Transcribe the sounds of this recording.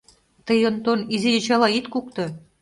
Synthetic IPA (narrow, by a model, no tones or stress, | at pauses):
t̪ə̆jont̪onizijɘ̆t͡ɕɑlɑit̪kuk̚t̪ɤ̆